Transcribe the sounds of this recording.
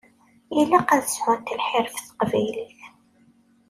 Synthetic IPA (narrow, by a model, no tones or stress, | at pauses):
ilæqæðəsħʊnt̪əlħɪɾfθə̥qvæjliθ